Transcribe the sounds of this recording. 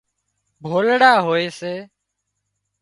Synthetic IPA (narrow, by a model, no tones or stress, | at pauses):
bʱoːlɽaːɦoːeːseː